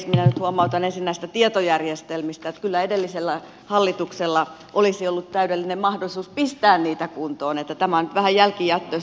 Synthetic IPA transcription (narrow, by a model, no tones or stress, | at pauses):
sminænyt̪huɑmɑut̪ɑnensinːæist̪æt̪iet̪ojærjest̪elmist̪æot̪kylːæedelːiselːæ | hɑlːit̪ukselːɑ | ʔolisiolːut̪t̪æyɾelːinemmɑhdolisuːspist̪æːnniːt̪ækunt̪oːnet̪ːæt̪æmænyt̪ʋæhæjjælkijæt̪ːos